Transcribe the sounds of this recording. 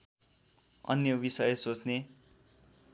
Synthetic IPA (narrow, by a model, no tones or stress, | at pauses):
ʌ̰njʌbisʌjesot͡sne